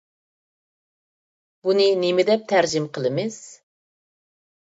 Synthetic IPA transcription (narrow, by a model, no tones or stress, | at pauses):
bunɨnɪmɪd̪ɛp̚t̪ʰæɾd͡ʒɪmqʰəlˠɨmɪz̥